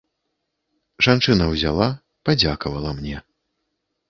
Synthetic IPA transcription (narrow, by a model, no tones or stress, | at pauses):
ʐant͡ʂɨnɐwzʲa̰lˠa | pad͡zʲakɐvɐlˠɐmnʲɛ